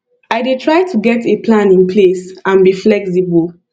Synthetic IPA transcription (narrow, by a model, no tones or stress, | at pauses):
aɪdetʰɹaɪtʰuɡɛtʰepʰlãnĩnpʰlesãnbiflɛksibəl